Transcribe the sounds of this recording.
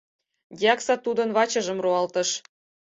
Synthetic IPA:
ɡʲɑksɑt̪ud̪ɤ̆nβɑt͡ɕɤ̆ʒɤ̆mroɑlt̪ɤ̆ʃ

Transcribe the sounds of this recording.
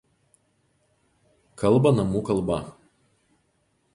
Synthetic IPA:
kɐlˠˑbɐnɐmuːkɐlˠbɐ̰

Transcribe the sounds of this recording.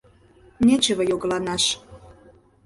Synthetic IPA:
net͡ɕəβə̆joɣlɑnɑʃ

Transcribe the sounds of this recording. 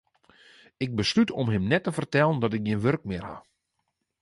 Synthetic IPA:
ɪk̚bəslytʰɔmɦɪmnɛtːəfərtɛlˠəndɔtɪk̚jiənʋørk̚mɪərha̰

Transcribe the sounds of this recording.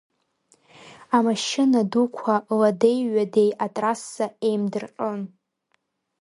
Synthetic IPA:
amaʃɪnadukʷʰalade̞jɥade̞jatʼrasːae̞jmdɨrqʼən

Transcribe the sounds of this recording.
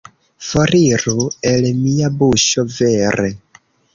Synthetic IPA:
foɾiɾuelemiabuʃɔvɛɾe

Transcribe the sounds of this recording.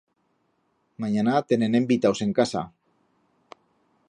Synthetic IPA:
maɲanat̪e̞nenembit̪awse̞ŋkasa̰

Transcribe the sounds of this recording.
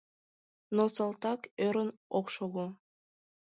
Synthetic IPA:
nosɑlˠt̪ɑkøɾnoqʃoʁu

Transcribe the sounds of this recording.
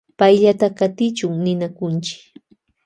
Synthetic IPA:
pajʎat̪akat̪ɪt͡ʃʊŋnɪnakʊnt͡ʃɪ̥k

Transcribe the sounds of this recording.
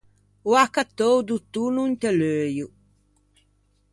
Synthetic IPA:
uakat̪owd̪ut̪unuint̪ɛløːju

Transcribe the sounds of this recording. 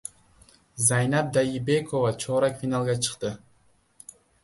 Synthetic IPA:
zajnɑp̚d̪ajibekʰovat͡ʃʰoɾɑkfʲinalˠɡɑt͡ʃʰɯ̥qt̪ɯ

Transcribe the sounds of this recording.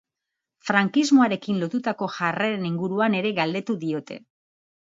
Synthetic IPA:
fɾaŋkizmo̞aɾe̞kinlot̪ut̪ako̞ʝareeniŋɡuɾuane̞ɾe̞ɣald̪e̞t̪uðio̞t̪e̞̰

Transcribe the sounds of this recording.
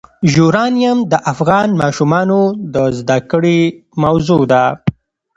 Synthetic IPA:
ʒuɾɑnijamd̪əʔafɣɑnmɑʃumɑnod̪əzd̪akəɽimawzud̪a

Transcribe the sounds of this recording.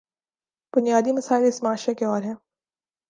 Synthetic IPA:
b̥ʊnijaːd̪imɐsaːɪlɪsmaːʃekeɔːɾɦɛ̃ː

